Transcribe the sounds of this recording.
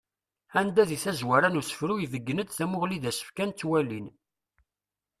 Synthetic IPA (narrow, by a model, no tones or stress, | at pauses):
ænd̪æðiθæzwæɾænusə̥fɾuivəɡːənəd̪θæmʊʁliðæsə̥fkænt͡s̪ːwælin